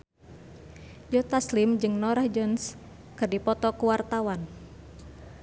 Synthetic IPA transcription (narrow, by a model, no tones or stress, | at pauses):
jɔt̪aslimd͡ʒɨŋnɔɾahd͡ʒɔns | kɨrdipɔt̪ɔkuwart̪awan